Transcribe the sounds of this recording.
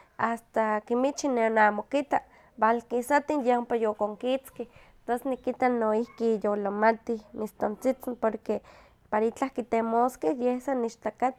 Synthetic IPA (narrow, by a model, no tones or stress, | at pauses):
ast̪akimit͡ʃineonamokit̪a | balkisat̪injeompajokoŋkit͡ske | t̪osnikit̪anoihkijolomat̪ihmist̪ont͡sit͡simpoɾke | paɾait͡ɬahkit̪emoskehjehsaniʃt̪akat̪